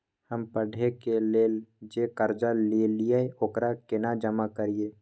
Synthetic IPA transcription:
həmpəɖʱekeleːld͡ʒekəɾd͡ʒalilijeoːkɾakɪnad͡ʒəmakəɾie

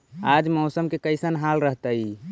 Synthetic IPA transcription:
ad͡ʒmɔsəmkekəjsənɦalɾəɦt̪əj

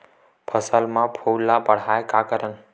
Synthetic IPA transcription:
pʰəsəlmãpʰowlabəɽ̤aekakəɾən

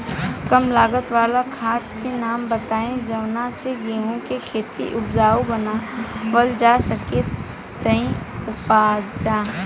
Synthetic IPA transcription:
kəmlaːɡət̪ʋaːlakʰaːt̪kenaːmbət̪aːẽd͡ʒɐʋnaseɡeːɦõkekʰeːt̪ḭʔʊbd͡ʒaːobənabəld͡ʒasəke | t̪əĩʊpaːd͡ʒaː

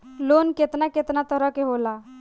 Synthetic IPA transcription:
lonket̪naket̪nat̪əɾəkeɦola

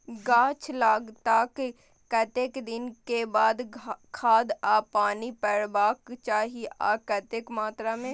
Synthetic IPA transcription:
ɡaːt͡ʃʰlaːɡt̪ak | kɐt̪eːkd̪ɪnkebaːd̪kʰaːd̪aːpaːnipɛɽbaːkt͡ʃaːɦieʔa̰ːkɐt̪eːkmaːt̪ɾamẽ

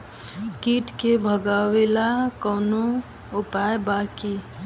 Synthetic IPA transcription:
kiʈkebʱəɡawelakəːno | ʊpajbaki

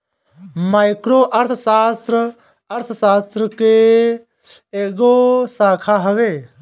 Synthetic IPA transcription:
maːɪkɾoʔəɾt̪ʰsaːst̪ɾə | əɾt̪ʰsaːst̪ɾəke | eɡosaːkʰaɦəʋeː

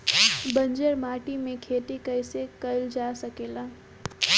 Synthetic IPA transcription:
bə̃nd͡ʒəɾmaːʈimẽkʰeːt̪ekəɪsekəɪld͡ʒasəkeːlaː

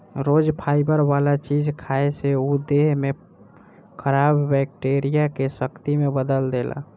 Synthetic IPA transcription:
ɾoːd͡ʒpʰaːɪbəɾwalat͡ʃid͡ʒkʰaeseud̪eɦmẽ | kʰəɾaːbːɛk̚ʈeɾijakesəkt̪imẽbəd̪əld̪ela̰

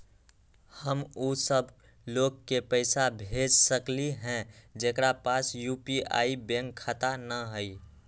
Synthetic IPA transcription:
həmuːsəb | loːɡ̚kepəɪsabʱeːd͡ʒsəkliɦɛ̃d͡ʒeːkɾapaːsjuːpia̰ːibẽːŋkʰːət̪anəɦəi

